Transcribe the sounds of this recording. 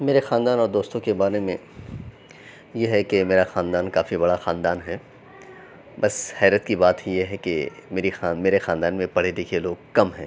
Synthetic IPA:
meːɾexãːnd̪aːnɔːɾd̪oːst̪õkebaːɾemẽ | jeɦɛkemeːɾaxãːnd̪aːnkaːfibɐɽaxaːnd̪aːnɦɛː | bɐshɛːɾət̪kibaːt̪ɦijeɦɛkḛmeːɾixameːɾexãːnd̪aːnmẽpɐɽ̤ed̪eːkʰieloːɡ̚kɐmɦɛ̃ː

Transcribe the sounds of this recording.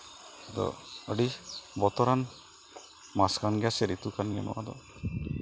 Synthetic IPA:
d̪ɔ̰əɖibɔt̪ɔɾan | maskanɡasɛɾit̪ukanɡanɔ̰wa̰d̪ɔ̰

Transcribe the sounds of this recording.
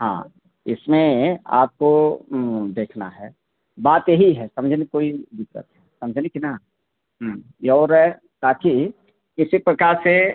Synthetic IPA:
hã̰ː | ɪ̰smẽa̰ːp̚ko | d̪eːkʰna̰ɦɛ | baːt̪jeɦiɦɛsɐ̃md͡ʒʱnikoːibɪkɾə̰t̪ɦɛsɐməd͡ʒʱnikina | ɦ | ɔːɾɦɛ | t̪aːki | kɪsipɾəkaːɾse

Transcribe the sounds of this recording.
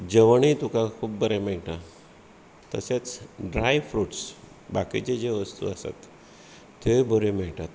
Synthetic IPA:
d͡ʑəʋɳit̪ukãkʰuːpbəɾameɭʈa | t̪ə̰set͡sɖɾajfɾuʈs | bakit͡ɕed͡ʑeʋəst̪ṵasa̰t̪ː | ebʱəɾemeɭʈat̪

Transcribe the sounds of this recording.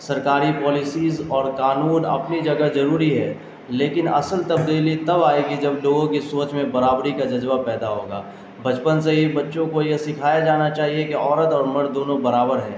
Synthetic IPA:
sɐɾkaːɾipɔːlɪsiːzɔːɾkaːnuːnɐ̰pnid͡ʒɐɡəzɐɾuːɾiɦɛː | leːkɪnɐ̰səlt̪ɐbd̪iːlit̪ɐbaːeɡid͡ʒɐbloːɡõkisoːt͡ʃmẽbɐɾaːbɾikad͡ʒɐzʋapɛːd̪aɦoːɡa̰ː | bɐt͡ʃpəns̬eɦebɐtːʃõkojesɪkʰaːjad͡ʒaːnat͡ʃaːɦiekiɔːɾət̪ɔːɾmɐɽd̪oːnõbɐɾaːbəɾɦɛ̃ː

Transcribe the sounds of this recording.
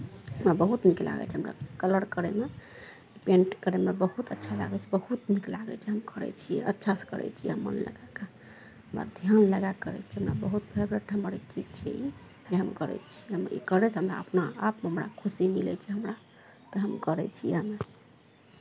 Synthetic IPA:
ɦəmɾabəɦut̪nikla̰ɡɛ̰t͡ʃʰɛɦəmɾa̰kələɾkəɾeme | ɖipẽnʈkəɾemebəhut̪ətːʃʰala̰ɡɛt͡ʃʰɛbəhut̪niklaɡɛ̰t͡ʃʰɛɦəmkəɾɛ̰t͡ʃʰijɛ̰ətːʃʰaskəɾɛ̰t͡ʃʰijɦəmːə̰nlə̰ɡake | ɦəmɾa̰d̪ʱjanləɡakəɾɛ̰t͡ʃʰɛɦəmɾa̰bəɦut̪bʱebɾeʈʰɦəməɾt͡ʃid͡ʒt͡ʃʰɛ̰i | d͡ʒeɦəmkəɾɛ̰t͡ʃʰiɦəm̰ḭkəɾɛt͡ʃʰɛɦəmɾa̰əpnaapmeɦəmɾa̰kʰusimilɛ̰t͡ʃʰɛɦəmɾa | t̪əɦəmkəɾɛt͡ʃʰiɛɦəme

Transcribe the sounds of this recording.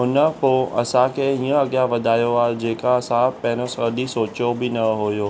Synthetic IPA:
ɦʊnəpoːɐ̰sãkʰeĩːə̃ɐɠjaʋɐd̪ʱaːjoaːɦd͡ʑeːkaɐsãpɐ̃ɦɪ̃nosəɗisoːt͡ɕobɪnɐɦojoː

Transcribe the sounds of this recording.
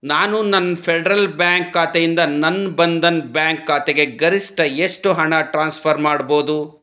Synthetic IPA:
naːnunɐnːpʰɛɖɐɾɐlbjaːŋkːaːt̪ejind̪ɐnɐnːbɐnd̪ɐnbjaːŋkːaːt̪eɡe̞ɡɐɾisʈɐeʂʈuɦɐɳɐʈɾaːnspʰɐɾmaːɽboːd̪u

